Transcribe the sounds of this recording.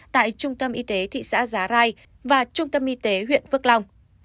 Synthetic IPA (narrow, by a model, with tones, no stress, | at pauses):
t̪a̰ː˧˨jt͡ɕʊ˧ŋ͡mt̪ə˧mʔi˧t̪e˨˦t̪ʰḭ˧˨sa̰ː˧˥zaː˨˦ɾaː˧j | vaː˨˩t͡ɕʊ˧ŋ͡mt̪ə˧mʔi˧t̪e˨˦ɦwḭ˧˨ənvɨ˦˥ək̚lɔ˧wŋ͡m